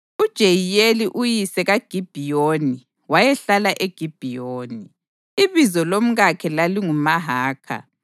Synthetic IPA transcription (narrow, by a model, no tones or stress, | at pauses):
ud̥ʒ̥ʱejijeliʔujisɛɣaɡ̥ʱib̥ʱijoni | wajɛɬalaʔeɡ̥ʱib̥ʱijoːni | iβizɔlom̩ɣakʰɛlaliŋumaɦaːkʰa̰